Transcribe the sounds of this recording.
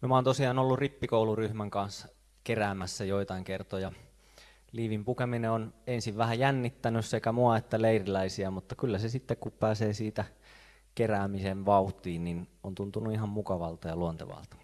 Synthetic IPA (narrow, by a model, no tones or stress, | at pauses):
mimæoːnt̪osiɑːnolːuripːikouluryhmæŋkɑns | keræːmæsːæjoit̪ɑiŋkert̪ojɑ | liːʋimpukemineonensiʋʋæhæjænːit̪ːænyssekæmuɑet̪ːæleirilæisiæmut̪ːɑkylːæsesit̪ːekkuppæːseːsiːt̪æ | keræːmiseʋʋɑut̪ˑiːnninont̪unt̪unuihɑmmukɑʋɑlt̪ɑjɑluont̪ḛʋɑ̰ˑlt̪ɑ̥